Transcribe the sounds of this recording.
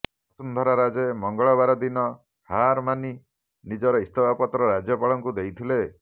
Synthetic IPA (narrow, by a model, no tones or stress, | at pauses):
ɔsund̪ʱɔɾaɾad͡ʒemɔŋɡɔɭɔβaɾɔd̪inɔ | haɾmani | nid͡ʒɔɾɔist̪ɔbʱapɔt̪ɾɔɾad͡ʒjɔpaɭɔŋkud̪ejt̪ʰile